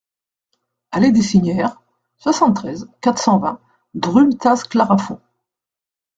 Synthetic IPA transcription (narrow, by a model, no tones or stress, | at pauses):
aled̪esiɲjɛʁ | swasɑ̃t̪ːχɛzkat̪χsɑ̃vɛ̃ | d̪ʁymt̪asklaʁafɔ̃